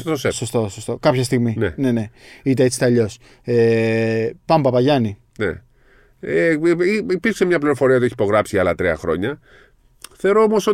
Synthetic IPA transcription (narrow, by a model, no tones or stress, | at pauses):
osesost̪o̞sost̪o̞kɐpçɐst̪iɣminḛne̞ne̞it̪̬eet͡si̥t̪ɐʎo̞s | e | pɐmbɐpɐʝɐni | nḛ | eiipiɾksemɲɐpliɾofo̞ɾiɐt̪uieçipo̞ɣɾɐpsiɐlɐt̪ɾiɐ̰xɾo̞̰ɲɐ | θeoɾoomo̞so̞